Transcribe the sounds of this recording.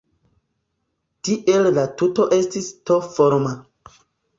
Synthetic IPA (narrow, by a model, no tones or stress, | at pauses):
tiʔe̞llatuto̞ʔe̞stistofoɾma